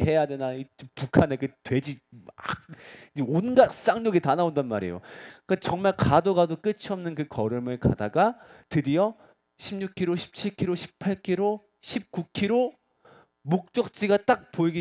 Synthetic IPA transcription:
e̞jadwenait͡ɕopukʰaneɡetwe̞d͡ʑia | onɡas͈aŋɲoɡitanaondanmaɾḛjo̰kat͡ɕʌŋmaɭkadoɡadok͈ɯt͡ɕʰʌmnɯnkɯkʌɾɯmɯɭka̰daɡatɯɾiʌ | ɕʰimɲukʰiɾoɕʰi̥p̚t͡ɕʰiɭkʰiɾoɕʰi̥pʰaɭkʰiɾo | ɕʰip̚k͈ukʰiɾo | mok̚t͡ɕ͈ʌk̚t͡ɕ͈ʰiɡat͈ak̚poiɡi

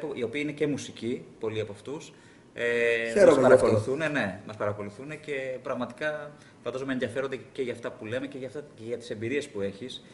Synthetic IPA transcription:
poʔio̞piɐine̞ce̞musicipo̞liɐpoɐft̪us | eeɐspɐɾɐko̞luθunene̞mɐspɐɾɐko̞luθune̞ce̞pɾɐɣmɐt̪i̥kɐ | fɐnd̪ɐzomenðiʝɐfe̞ɾond̪ece̞ʝɐft̪ɐpule̞me̞ceʝɐft̪ɐeʝɐt̪i̥se̞mbiɾie̞spue̞çis

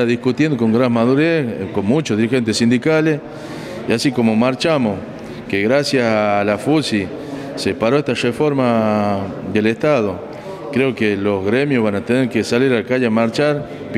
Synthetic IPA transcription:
aðihkut̪jend̪oko̞ŋɡɾanmaðuɾekonmũt͡ʃoðiɾixe̞nt̪esind̪ikales | iasiko̞momaɾt͡ʃamos | keɣɾasjasalafusi | sepaɾoeht̪arefo̞ɾma | d̪eleht̪aðo | kɾeokeloɣɾemjoɦβanat̪eneɾkesaliɾalakaʒamaɾt͡ʃaɾ | p

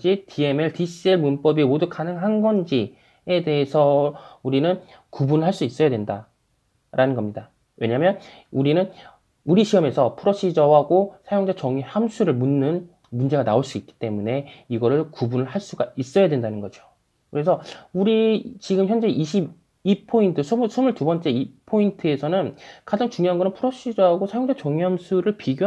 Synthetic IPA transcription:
d͡ʑitʰie̞meɭtiɕ͈ieɭmunp͈ʌbimodukʰanɯŋɦanɡʌnd͡ʑi | e̞de̞ɦesʰʌuɾinɯn | kubunɯɭɦaɭs͈uis͈ʌjadwe̞nda | ɾanɯnɡʌmɲida | we̞ɲamjʌn | uɾinɯn | uɾiɕʰiʌme̞sʰʌpʰɯɾoɕ͈ʰid͡ʑʌwaɡosʰajoŋd͡ʑet͡ɕʌŋihamsʰuɾɯɭmunːɯn | mund͡ʑe̞ɡanaoɭs͈uik͈i̥t͈e̞mune̞iɡʌɾɯɭkubunɯɭhaɭs͈uɡais͈ʌjadwendanɯnɡʌd͡ʑo̥ | kɯɾe̞sʰʌuɾit͡ɕiɡɯmçjʌnd͡ʑe̞ʔiɕʰib | ipʰointʰɯsʰomsʰumuɭtubʌnt͡ɕ͈e̞ipʰointʰɯe̞sʰʌnɯnkad͡ʑaŋt͡ɕuŋjoɦanɡʌnɯnpʰuɾoɕ͈ʰid͡ʑʌɦaɡosʰajoŋd͡ʑat͡ɕʌŋjʌmsʰuɾɯɭpiɡjo

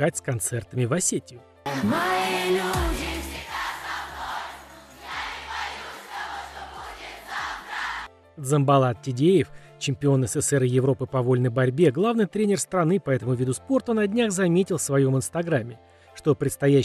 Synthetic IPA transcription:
atʲskɐnt̪sɛrt̪əmʲɪvɐsʲetʲɪʊ | m | d̪zəmbɐlˠat̪̚tʲɪdʲejɪf | t͡ɕɪmʲpʲɪo̞nəsɛsɛɾɨjɪvɾo̞pɨpɐvo̞lʲnəjbɐɾʲbʲe̞ɡlˠavnɨjt̪ɾʲenʲɪrst̪ɾɐnɨpɐɛt̪əmʊvʲid̪ʊspo̞rt̪ʊnɐdʲnʲaxzɐmʲetʲɪlˠfsvɐjo̞mɨnst̪ɐɡɾamʲːɪ | ʂt̪o̞pɾʲɪt̪st̪ɐjæ

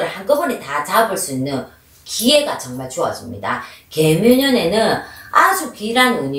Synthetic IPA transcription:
ɯɭhank͈ʌɦonitat͡ɕabɯɭs͈uinːɯn | kie̞ɡat͡ɕʌŋmaɭt͡ɕoʌ̰s͈ɯmɲḭda̰ke̞mjuɲʌne̞nɯnad͡ʑukiɾanɯnɯɲi

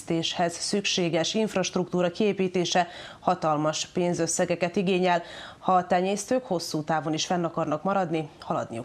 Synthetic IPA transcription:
t̪eːʃhɛzsykʃeːɡɛʃiɱfrɒʃt̪rukt̪uːɾɒkieːpiːt̪eːʃɛ | hɒt̪ɒlmɒʃpeːnzøsːɛɡɛkɛt̪iɡeːɲɛlhɒt̪ɛɲeːst̪øːkho̞sːuːt̪aːvo̞niʃfɛnːɒkɒrnɒkmɒɾɒd̪nihɒlɒ̰d̪nḭju

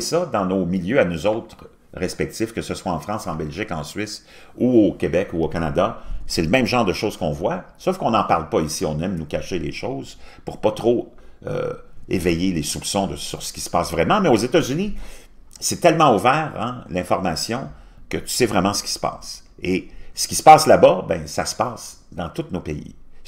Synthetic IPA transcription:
sʌd̪ɑ̃nomiljøanuzɔʊt̪ʁ | ʁɛspɛk̚t̪ɪfkəsəswaɑ̃fʁɑ̃sɑ̃bɛlʒɪkɑ̃sɥɪs | uokʲebɛkuokanad̪asɛləmɛ̃mʒɑ̃ːʁd̪əʃoːz̥kɔ̃vwasofkɔ̃nɑ̃paʁlpaisiɔ̃nɛmnukʲaʃeleʃɔʊzpuʁpʌt̪ʁo | ø̰ḛvɛjelesupsɔ̃d̪əsyʁsə̥kʲi̥sə̥paːsvʁɛmɑ̃mɛozet̪azyni | sɛt̪ɛlmɑ̃uvɛːʁɛ̰̃lɛ̃fɔʁmasjɔ̃ | kət̪y̥sɛvʁɛmɑ̃sə̥kʲi̥sə̥pa̰ːs | esə̥kʲi̥sə̥pɑːslabʌbɛ̃sasə̥paːs | d̪ɑ̃t̪ut̪nopeḭ

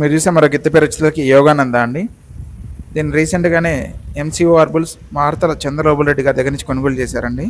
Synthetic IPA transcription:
miːɾt͡ʃuːseːmɐɾoːɡit̪ːɐpɛːɾɐt͡ʃːɐ̥t̪ɐlɐkijɔːɡaːnɐnd̪aːɐɳɖi | d̪iːnːiɾiːseɳʈɡaːne̞ːemsiːoːɐɾbuls | maːɾt̪ɐlɐt͡ʃɐnd̪ɾɐloːbɐlɾe̞ɖːiɡaːɾid̪ɐɡːɐɾnit͡ʃːikonɐɡoːlut͡ʃɛːsaːɾɐɳɖi

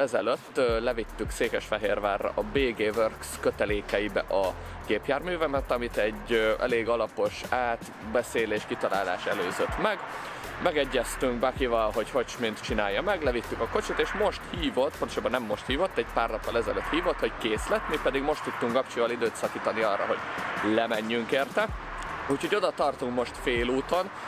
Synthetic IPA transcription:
ɛzɛløt̪ːlɛvit̪ːykseːkɛʃfɛɦeːrva̰ːrːɒ̰ʔɒbeːɡeːvørkskøt̪ɛleːkɛibɛ̰ʔɒ | ɡ̥eːpjaːrmyːvɛmɛt̪ɒmit̪ɛɟɛ̰leːɡɒlɒpo̞ʃaːt̪ | bɛseːleːʃkit̪ɒla̰ːla̰ːʃɛløːzøt̪mɛɡ | mɛɡɛɟːɛst̪yŋɡbɛkivɒlɦo̞chocʃmint̪t͡ʃinaːjːɒmɛɡlɛvit̪ːykɒko̞t͡ʃit̪eːʃmo̞ʃt̪hiːvo̞t̪pono̥ʃobɒnɛmːo̞ʃt̪hiːvo̞t̪ːɛɟpaːrnɒpːɒlɛzɛløt̪hiːvo̞t̪ho̞ckeːslɛt̪mipɛd̪iɡmo̞ʃt̪ːut̪ːuŋkɡɒp̚t͡ʃivɒlid̪øːt̪sɒkiːt̪ɒniɒːrːɒ̰ɦo̞̰ɟ̥lɛmɛɲːyŋkeːrt̪ɛ | ucho̞ɟo̞d̪ɒt̪ɒrt̪uŋkmo̞ʃt̪feːluːt̪o̞n

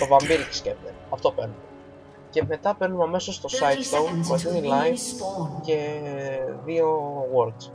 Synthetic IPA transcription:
t̪o̞vɐmbiɾit̪i̥scept̪enɐft̪o̞pḛnume | ce̞me̞t̪ɐpe̞ɾnumɐme̞sost̪o̞sɐjt̪st̪ownmɐzinilɐjvce̞ | ðio̞ɣoɾks

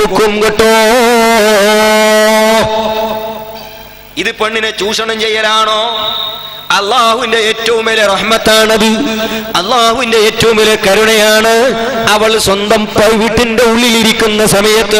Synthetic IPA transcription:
ukːumkoʈːoː | iðɨpeɳːinɨt͡ɕuːʂɐɳɐmt͡ɕe̞jːɐɾaːɳo̞ː | ɐlːaːhuʋinde̞eːtːɐʋumelereħmɐt̪ːaːɳɐðɨɐlːaːhuʋinde̞eːtːɐʋumelekɐɾuɳɐjaːɳɨɐʋɐɭswɐnd̪ɐmpɐjiʋiʈːinde̞uɭːiliɾikʲːunːɐsɐmɐjɐt̪ːɨ

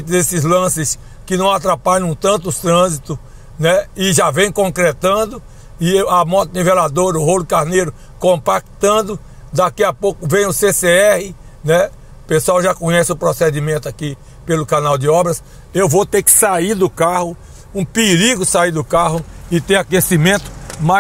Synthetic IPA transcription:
t̪ʊd̪esɪzlɐ̃sɪs | kɪnɐ̃w̃at̪ɾapaʎɐ̃w̃t̪ɐ̃nt̪ʊt̪ɾɐ̃zit̪ʊ | nɛɪʒavẽj̃kõkɾɛt̪ɐ̃d̪ʊ | ɪamɔt̪ɪnivelad̪oɾɐʊɦolʊkaɾnejɾʊ | kõpakt̪ɐ̃nd̪ʊ | d̪akiapokʊvẽj̃ʊseseɛhɪ | nɛ | pesuawʒakõɲɛsɪʊpɾɔsed̪imẽnt̪aki | pelʊkanawd̪ɪɔbɾɐs | ewvot̪ekɪ̥saiɾd̪ʊkahʊ | ũpɪɾiɡʊsaiɾd̪ʊkaɦʊɪt̪eakesimẽt̪ʊ̥ma

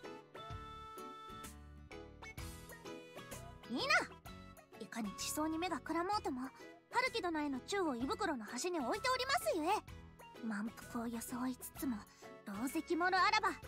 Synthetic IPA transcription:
iːna | ikaɲ̟it͡ɕi̥so̞ːɲ̟ime̞ɡakɯ̟ɾamo̞ːt̪o̞mo̞ | haɾɯ̟kʲid̪o̞nae̞no̞t͡ɕɨːo̞ibɯ̟kɯ̟ɾo̞no̞haɕiɲ̟io̞it̪e̞oɾʲimasɨjoemãmpɯ̥kɯojo̞soit͡sɨ̥t͡sɨmo̞ | ɾo̞ːzekʲimo̞ɾɯ̟aɾaba

